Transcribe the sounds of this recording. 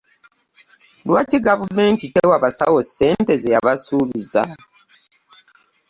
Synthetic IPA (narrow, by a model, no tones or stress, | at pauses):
lwaciɡavume̞ːntitewaβasa̰wose̞ːnte̞zejaβasuːβiza̰